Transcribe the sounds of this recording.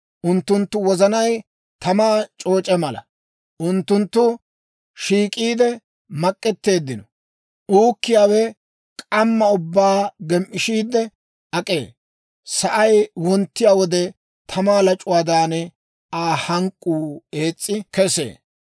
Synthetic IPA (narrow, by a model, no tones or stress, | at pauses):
ʔʊnt̪ːʊnt̪ːʊwɔzɐnɐj | t̪ʰɐmaːt͡ʃʼo̞ːt͡ʃʼɛmɐlɐ̰ | ʔʊnt̪ːʊnt̪ːʊ | ʃiːkʼiːd̪ɛ | mɐkʼːɛt̪ːe̞ːd̪ːɪnɔ | ʔuːkːɪjaːwɛ | kʼɐmːɐʊbːaːɡɛmʔɪʃiːd̪ːɛ | ɐkʼe̞̰ː | sɐʔɐjwɔnt̪ːɪjaːwɔd̪ɛ | t̪ʰɐmaːlɐt͡ʃʼʊwaːd̪aːnɛ | aːhɐŋkʼːuːe̞ːt͡sʼːɪkɛsḛː